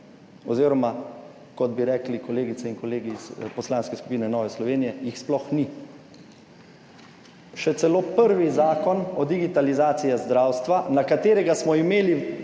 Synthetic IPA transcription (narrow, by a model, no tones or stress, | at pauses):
ɔziːɾɔma | kɔd̪̚biɾɛːklikɔleːɡit̪sɛinkɔleːɡiːzpɔslaːnskɛsku̥piːnɛnɔːʋɛslɔʋeːnijɛjixsplɔxni | ʃɛt̪sɛloːpəɾʋizaːkɔnɔd̪iɡit̪alizaːt̪sijazd̪ɾaːwst̪ʋanakat̪eːɾɛɡasmɔimeːli